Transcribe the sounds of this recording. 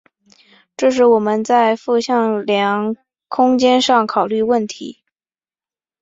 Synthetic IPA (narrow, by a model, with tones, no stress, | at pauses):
ʈ͡ʂɤ˥˧ʂ̬ɻ̩˥˩wɔ˨˩mə˧˦nt͡sa˥˧ɪfu˥˧ɕjɑ˥˩ŋljɑ˧˥ŋ | kʰʊ˥ŋt͡ɕjɛ˥nʂɑ˥˩ŋkʰɑ˨˩ʊly˥˧wə˥˩nt̪ʰḭ˧˥